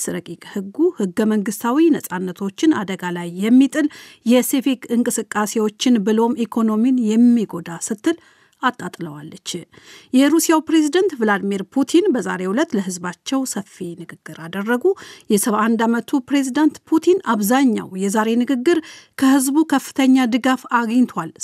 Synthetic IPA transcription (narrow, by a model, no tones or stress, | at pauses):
sɾəkʼikʼhɨɡːuhɨɡːəməŋɡɨst̪ʰawinəsʼanːət̪ʰo̞t͡ʃːɪnad̪əɡalajːɛmːit̪ʼɨl | jɛsefikɨŋkʼɨsɨkʼːase̞wo̞t͡ʃːɪnbɨlo̞mikʰo̞no̞minjɛmːiɡo̞d̪asɨt̪ːɨl | ʔat̪ʼːat̪ʼləwalːət͡ʃːjɛɾusijawpɾe̞zid̪ant̪vɨlad̪miɾpʰut̪ʰinbəza̰ɾe̞wulət̪ləɦɨzbat͡ʃːɛwsəfinɨɡɨɡːɨɾad̪ərːəɡujɛsəβaʔand̪amət̪ʰupɾe̞zid̪ant̪pʰut̪ʰinaβzaɲːa̰wjɛzaɾe̞nɨɡɨɡːɨɾkʰəhɨzbukʰəfːɨ̥t̪ʰəɲːad̪ɨɡafaɡɲt̪ʰal